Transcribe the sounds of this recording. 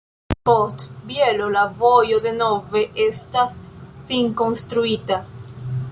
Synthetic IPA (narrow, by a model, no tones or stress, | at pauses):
pot̪bjelolavojoðenoveʔest̪asfiŋkonst̪ɾuit̪a